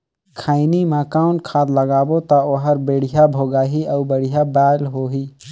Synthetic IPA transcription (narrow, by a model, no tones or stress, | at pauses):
kʰaːɪnimãːkaːʊɳʈkʰaːd̪ləɡaːbot̪ɐoɦəɾbeːɽ̤ijabʱoːɡaːɦiəʊbəɽ̤ijabaːlɦoɦiː